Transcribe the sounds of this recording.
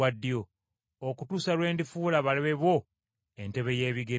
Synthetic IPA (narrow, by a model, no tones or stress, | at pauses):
adːijoː | kutuːsalwe̞ːndifuːlaβaliβeβo̞ | ente̞βe̞je̞ːβiɡe